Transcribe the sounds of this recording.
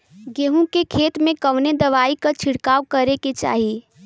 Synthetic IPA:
ɡeːɦũkekʰeːt̪mẽkəʋned̪ɐʋaːikat͡ʃʰɪɽkaːwkɐɾeket͡ʃa̰ːɦi

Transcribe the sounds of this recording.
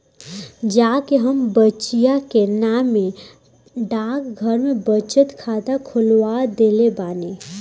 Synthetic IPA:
d͡ʒaːkeɦəmbət͡ʃijakenaːmẽ | ɖaːkɡʱəɾmẽbət͡ʃət̪kʰaːd̪akʰʊlwad̪eːlebaːne

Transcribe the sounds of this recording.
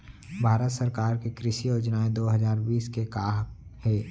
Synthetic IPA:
bʱaːɾət̪səɾkaːɾkekɾɪʃijoːd͡ʒnaːed̪oːɦɐzaːɾbiːskekaːɦkhɛː

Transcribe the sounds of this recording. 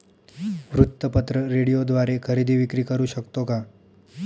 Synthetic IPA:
ʋɾut̪ːəpət̪ɾəɾeɽijod̪ʋaɾekʰəɾid̪ʱiːʋikɾiːkəɾuːʃəkt̪oka

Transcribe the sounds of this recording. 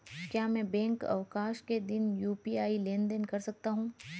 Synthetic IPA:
kjaːmɛ̃ːbɛ̃ːŋkɐ̰ʋkaːʃked̪ɪnjuːpiaːileːnd̪ənkɐɾsɐk̚t̪aɦũː

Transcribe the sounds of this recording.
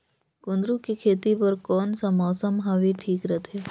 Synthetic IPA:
kʊ̃nd̪ɾukikʰeːt̪ipɐɾkɔːnsɐmɔːsəmɦaʋiʈʰiːkɾɐt̪ʰeː

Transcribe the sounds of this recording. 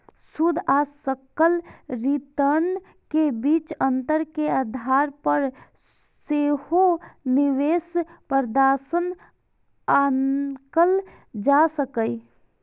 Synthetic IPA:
sud̪ʱasəkəlɾit̪əɾn | kebit͡ʃə̃nt̪əɾkead̪ʱaɾpəɾ | sehoniʋespəɾd̪asən | akəl | d͡ʒasəkəi

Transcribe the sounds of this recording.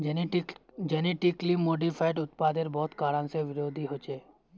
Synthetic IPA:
d͡ʒɛneʈiklimːoɖifʰajʈʊt̪pad̪eɾbɔːt̪kaːɾənseʋɪɾoːd̪ʱiɦot͡ʃeː

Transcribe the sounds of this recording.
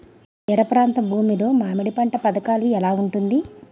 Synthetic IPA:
d͡ʒɛɾɐpɾaːnt̪ɐmbʱuːmilo̞ːmaːmɐɽipɐɳʈɐpɐd̪ɐkaːluɛlaːuɳʈund̪i

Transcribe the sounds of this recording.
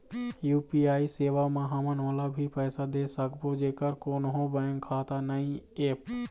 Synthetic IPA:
juːpiaːiseːʋamãɦɐmənʋaːlabʱipɛːsad̪eːsəkbod͡ʒeːkəɾkoːnɦõbə̃ŋkʰːaːt̪anəĩeːp

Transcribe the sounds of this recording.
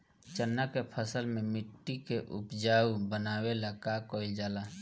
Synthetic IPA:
t͡ʃənːakepʰəsəlmẽmɪʈːikeʔʊpd͡ʒaːubənaːwelakakoːɪld͡ʒaːlaː

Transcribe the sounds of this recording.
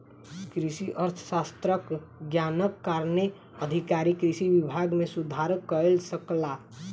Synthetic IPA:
kɾisiʔəɾt̪ʰə̥sast̪ɾəkɡjanəkːaɾne | əd̪ʱikaɾikɾisibibʱaɡmesud̪ʱaɾkəlsəkla

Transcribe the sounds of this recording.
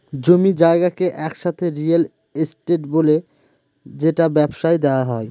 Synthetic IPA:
d͡ʑomid͡ʑaeɡakeʔɛkʃat̪ʰeɾial | esʈeʈbole | d͡ʑeʈabɛbʃajd̪eoaɦɔe

